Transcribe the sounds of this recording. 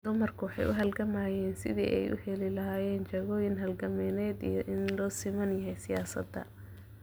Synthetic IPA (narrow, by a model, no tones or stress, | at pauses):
d̪ʊmɐrkʰʊwɑħɑ̰jʔʊ̰ɦɐlɡɐmaːjɛːnsɪðḭːʔɛ̰jʔʊ̰hɛlɪlɐɦaːjɛːnt͡ʃɐɣɔːjɪnɦɐlɡɐmɛːnɛːd̪ḭjɔʔɪnlɔːsɪmɐnjɐɦɛjsɪjaːsɐ̰d̪ːɐ̰